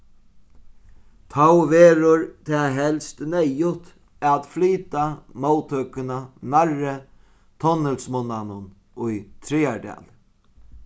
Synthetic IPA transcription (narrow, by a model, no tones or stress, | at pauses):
t̪ʰawveːɾʊɹt̪ʰɛːɦɛlst̪nɛjʊt̪ | at̪fliːt̪amoːwt̪ʰœkɪnanaɹːɪ | t̪ʰɔnɪlsmʊnːanʊn | ʊjt̪ʰɾiːaɹɖɛ̰ːl